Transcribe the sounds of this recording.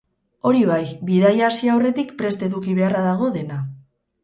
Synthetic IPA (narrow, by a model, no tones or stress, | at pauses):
o̞ɾiβ̞ajβiðajasiawre̞t̪ikpɾe̞st̪e̞ðukiβ̞e̞araðaɣ̞o̞ðe̞na